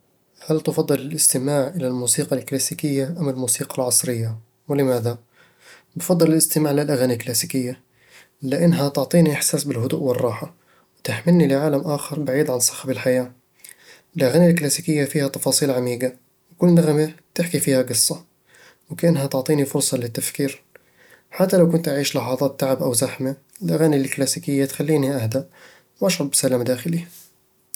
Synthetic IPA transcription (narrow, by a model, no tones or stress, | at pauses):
halt̪fɑd̪ˤːɨlɪlʔɪst̪ɪmaːʕʔɪlalmuːsiːqɑlklaːsiːkɪjːaʔamːɪlmuːsiːqɑlʕɑsˤɾɪjːa | wɪlɪmaːða | bɪfɑd̪ˤːɨlɪlɪst̪ɪmaːʕɪlalʔaɣaːnialklaːsiːkɪjːa | lɪʔɪnːɦat̪ʊʕt̪ˤiːniʔɪħsaːsbɪlɦʊd̪ṵːʔwɪrˤːɑːħa | wɪt̪ɪħmɪlnilɪʕaːlamʔaːxɑɾˤbaʕiːd̪ʕansˤɑ̥xabɪlħajaː | ɪlʔaɣaːnilklaːsiːkɪjːafiːhat̪ɑfɑːsˤiːlʕamiːɡa | wɪkʊlːnaɣmet̪ɪħkifiːhaɡɨsˤːɑ | wɪkaʔanːɦat̪ʊʕt̪ˤiːnifʊɾsˤɑlɪt̪ːafkiːɾ | ħat̪ːalawkʊnt̪ʔaʕiːʃlɑħɑðˤɑːt̪ːaʕabʔawzaħma | lʔaɣaːnilklaːsiːkɪjːat̪xalːiːniʔahd̪aʔ | wʔaʃɾˤɑbbɪsalaːmd̪aːxɪli